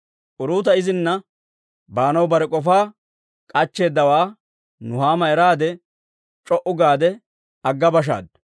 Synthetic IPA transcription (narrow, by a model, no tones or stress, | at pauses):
ʔʊɾuːt̪ɐɪzɪnːɐ | baːnɐwbɐɾɛkʼɔfaː | kʼɐt͡ʃːe̞ːd̪ːɐwaː | nʊhaːmɐɛɾaːd̪ɛ | t͡ʃʼɔʔʊɡaːd̪ɛ | ɐɡːɐbɐʃ̬a̰ːd̪